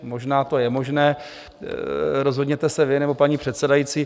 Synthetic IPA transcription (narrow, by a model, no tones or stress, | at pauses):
mo̞ʒnaːt̪o̞jɛmo̞ʒnɛː | ɾo̞zɦo̞dɲɛt̪ɛsɛvɪnɛbo̞paɲiːpr̝̥ɛt̪sɛdajiːt͡siː